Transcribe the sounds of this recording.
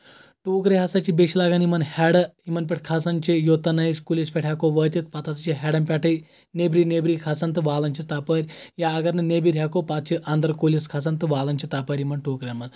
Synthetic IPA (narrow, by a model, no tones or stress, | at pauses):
ʈuːkɾeɦɐsɐt͡ʃibeʃilaɡɐnimɐnhɛɽɐimɐnp̬ʲeʈʰkʰasɐnt͡ʃijot̪ɐnɐɦiskulʲispʲɛʈʰjakoʋət̪ʲit̪̚pɐt̪ʰasɐt͡ʃiɦɛɽɐmpʲɛʈʰɐ | nebɾiːnebɾiːkʰasɐnt̪ɨʋaːlɐnt͡ʃʰit̪apəɾʲjaɐɡɐɾnɨnebiɾʲɦʲjakopat̪̚t͡ʃʰiʔɐnd̪ɐɾkulʲiskʰas̬ɐnt̪ɨʋaːlɐnt͡ʃʰit̪apəɾʲimɐnʈoːkɾʲɐnmɐn